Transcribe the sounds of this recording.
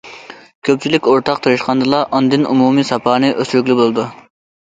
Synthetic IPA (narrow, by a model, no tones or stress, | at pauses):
kʲʰøp̚ʲt͡ʃʰilɪkʲoɾt̪ʰɑqt̪ʰɨɾɨʃqɑnd̪ɨlˠɑʔɑnd̪ɪnṵmuːmisɑpʰɑːnɨʔøsyɾykʲlɪbolˠɨd̪u